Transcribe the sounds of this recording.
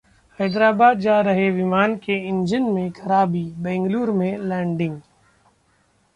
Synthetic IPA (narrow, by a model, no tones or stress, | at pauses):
hɛːd̪ɾaːbaːd̪d͡ʒaːɾɐɦeʋɪmaːnkeɪ̃nd͡ʒənmẽkɐɾaːbiːbɛ̃ːŋɡluːɾmẽlɛ̃ːɳɖɪ̃ŋɡ